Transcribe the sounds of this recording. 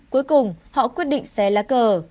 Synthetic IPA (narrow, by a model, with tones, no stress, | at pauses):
ku˨˦jkʊ˨˩ŋ͡mhɔ̰˧˨kwi˦˥ət̚ɗḭ̈˧˨ŋ̟sɛ˨˦laː˨˦kəː˨˩